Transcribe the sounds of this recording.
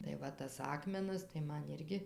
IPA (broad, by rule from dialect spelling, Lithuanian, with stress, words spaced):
tɐɪ ˈʋɐ tɐs ˈɑːkmʲɛnɐs tɐɪ ˈmɐn ˈɪrʲɡʲɪ